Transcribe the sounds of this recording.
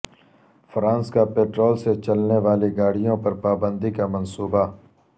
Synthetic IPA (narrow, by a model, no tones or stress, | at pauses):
fɾãːnskapeːʈɾoːlset͡ʃɐlneʋaːleɡaːɽ̤ijõpɐɾpaːbə̃nd̪ikamənsuːba